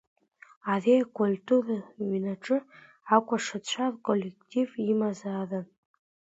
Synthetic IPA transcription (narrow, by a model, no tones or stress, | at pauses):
areakʷʰʼultʰʼuraɥnaʈ͡ʂʼɨ | akʷʼaʂɨt͡ɕʷʰarkʼolːektʰʼivimazarɨn